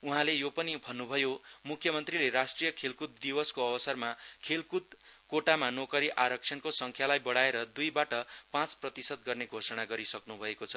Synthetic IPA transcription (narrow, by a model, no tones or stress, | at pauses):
uɦãlejopʌnibʱʌnːubʱʌjomukʰːjʌmʌnt̪rileɾasʈrijʌkʰelkut̪̚d̪ibʌskoʌbʌsʌrmakʰelkut̪̚koʈamanokʌɾiʔaɾʌk̚t͡sʰʌnkosʌŋkʰjalajbʌɽaeɾʌd̪ujbaʈʌpãt͡sprʌt̪isʌd̪̚ɡʌrneɡʱosʌɽ̃aɡʌɾisʌknubʱʌekot͡sʰʌ̥